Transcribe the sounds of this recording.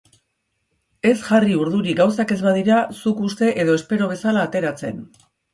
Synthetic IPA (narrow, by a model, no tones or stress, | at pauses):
e̞sʝariuɾðuɾiɡawsake̞zβaðiɾasukust̪e̞ʔe̞ðo̞espe̞ɾo̞β̞e̞salaːt̪e̞ɾat͡se̞̰n